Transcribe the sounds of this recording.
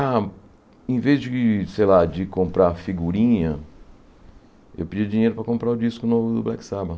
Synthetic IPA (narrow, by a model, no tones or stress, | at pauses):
a | ẽvezd͡ʒɪsejlad͡ʒɪkõmpɾafiɡuɾĩɲɐ | ḛwpɪd͡ʒiɐd͡ʒĩɲejɾʊpɾɐkõmpɾaʊd͡ʒiskʊnovʊd̪ʊ̰blɛksabɐ